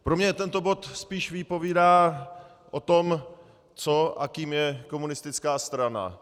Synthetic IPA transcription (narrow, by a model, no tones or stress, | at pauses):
pɾo̞mɲɛt̪ɛnt̪o̞bo̞t̪spiːʃvɪpo̞viːdaː | ʔo̞t̪o̞m | t͡so̞ʔa̰kiːmjɛko̞munɪst̪ɪt͡skaːst̪ɾana̰